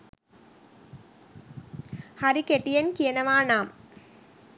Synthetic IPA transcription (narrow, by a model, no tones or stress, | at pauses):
hɐɾikeʈːijɐnkijɐnɐʋaːnaːm